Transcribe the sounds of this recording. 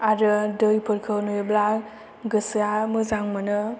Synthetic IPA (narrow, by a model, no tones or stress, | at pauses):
aɾɯdɯjpʰɯɾkʰɯwnujbla | ɡɯsjamɯzaŋmɯnɯ